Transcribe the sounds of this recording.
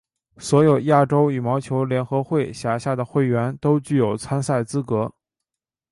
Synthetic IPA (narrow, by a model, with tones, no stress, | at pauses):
swɔ˧˥jo˨˩ʊja˥˩ʈ͡ʂo˥ʊy˨˩mɑ˧˥ʊt͡ɕʰjo˧˥ʊljɛ˧˥nxɤ˧˥xwe˥˩ɪɕja˨˩ɕja˥˩d̪ə˩xwe˥˩ɪɥɛ˧˥nt̪o˥ʊt͡ɕy˥˩jo˨˩ʊt͡sʰa˥nsa˥˩ɪt͡sɹ̩˥kɤ˧˥